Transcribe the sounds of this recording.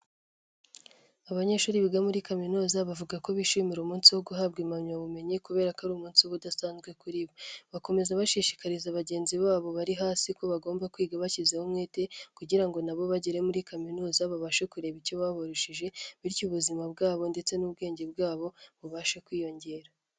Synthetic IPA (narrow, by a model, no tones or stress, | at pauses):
aβaɲe̞ʃuːɾiβiɡamuɾikaminoːzaβavuɡako̞βiʃimiɾumuːnsiwo̞ɡuɦaːb̚ɡimamɲaβume̞ɲekuβe̞ːɾakaɾuːmuːnsiwoβudasaːnzɡwe̞kuɾiβoβako̞me̞zaβaʃiʃi̥kaɾizaβaɟe̞ːnziβaːβo̞βaɾiɦaːsiko̞βaɡo̞ːmbakwiːɡaβacizehumŋe̞ːte̞kuɟiɾaŋɡo̞naβo̞βaɟeɾe̞muɾikaminoːzaβaβaʃekuɾe̞βiɾcoβaβoɾoʃiʒe̞βiɾcuβuzimab̚ɡaːβo̞nde̞t͡se̞nuːb̚ɡe̞ːɲɟe̞bɡaːβo̞βuβaʃekwiːjo̞ɲɟe̞ːɾa